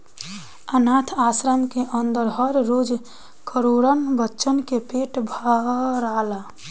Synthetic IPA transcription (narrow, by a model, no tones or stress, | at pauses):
ənat̪ʰasɾəmkeʔənd̪əɾɦəɾːod͡ʒ | kʰəɾoɾənbətːʃənkepeʈbʱəɾala